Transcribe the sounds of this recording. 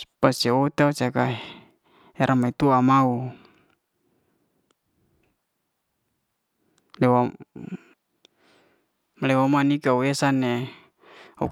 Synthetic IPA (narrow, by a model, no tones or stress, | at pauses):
paseot̪eaut͡ʃaka | eɾʔamait̪uamau | lɛwa | lɛwamanikauesane | ṵ